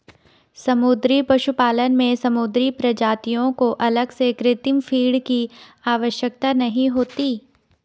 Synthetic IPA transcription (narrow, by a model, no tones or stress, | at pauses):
sɐmʊd̪ɾipɐʃupaːlənmẽsɐmud̪ɾipɾɐd͡ʒaːt̪ijõkoʔɐləɡsekɾɪt̪ɪmfʰiːɽkiaːʋəʃjək̚t̪anɐɦĩɦoːt̪iː